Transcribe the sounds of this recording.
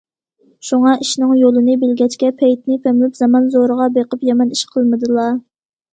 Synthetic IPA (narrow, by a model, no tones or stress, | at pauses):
ʃuŋɑʔiʃnɨŋjolˠɨnɨbɪlɡʲɛt͡ʃkʲɛpʰɛjt̪nɪpʰɛmlɪpz̥ɑmɑnzoɾəʁɑbeqəpjɛmɛniʃqʰəlˠmɨd̪ɨlˠɑ